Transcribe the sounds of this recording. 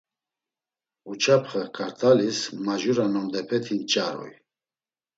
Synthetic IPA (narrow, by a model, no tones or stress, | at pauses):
ut͡ʃʰapʰχakʼaɾt̪ʼalismaʒuɾanɔmd̪ɛpʰɛt̪ʰint͡ʃʼaɾɔ̰j